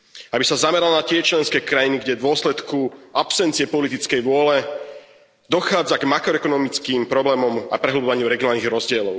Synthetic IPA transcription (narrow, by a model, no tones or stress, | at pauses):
abisazamɛɾalɔnat̪ɪɛt͡ʃlɛnskɛːkɾajiniɡɟɛd̪ʋʊɔslɛt̪kuapsɛntt͡siɪɛpɔlit̪it͡skɛjʋʊɔlɛ | d̪ɔxaːd͡zaɡmakɾɔɛkɔnɔmit͡skiːmpɾɔblɛːmɔma̰pɾɛɦl̩bɔʋaɲɪuɾɛɡiɪɔnaːlniɣɾɔzɟɪɛlɔʊ